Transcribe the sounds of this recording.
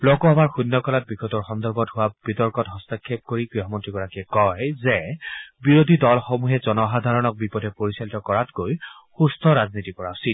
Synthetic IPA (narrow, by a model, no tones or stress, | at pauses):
lɔkɔamaɹxunːɔkɔlat̚biɡɔtɔɹxɔndɔɹbɔtɦʊwab̥itɔɹkɔtɦɔstakʰːep̚koɹiɡɹiɔmɔntɹiɡɔɹakiɛkɔjzɛbiɹodʱidɔlxomuɦɛzɔnɔɦad̪ʱaɹɔnɔk̚bipɔdʱɛpoɹisalitɔkɔɹatkoj | xustʰɔɹaznitikɔɹasi